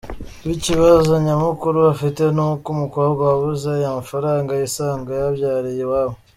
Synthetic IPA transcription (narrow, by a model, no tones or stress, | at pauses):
βiciβazoɲamukuɾuβafite̞nukumukoβɡwaβuzejamafaɾaːŋɡajisaːŋɡajaβjaːɾijewaːβo